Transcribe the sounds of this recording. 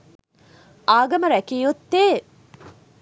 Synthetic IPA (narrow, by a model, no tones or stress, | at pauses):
aːɡɐməɾækiːut̪ːeː